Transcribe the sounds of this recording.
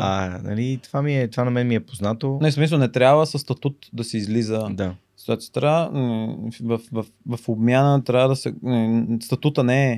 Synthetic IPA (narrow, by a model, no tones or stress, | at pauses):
anɐ̰lit̪v̥amiɛt̪ovanɐmɛnɛmiɛpoznat̪onismis̬əlˠnɛt̪ɾʲabvəsɐst̪ɐt̪ut̪d̪ɐsɛizlizəd̪a | z̥t̪at̪st̪ɾa | vɐfvɐfvɐfobmʲjanət̪ɾjabəd̪ɐsɛnist̪ɐt̪ut̪ənɛɛ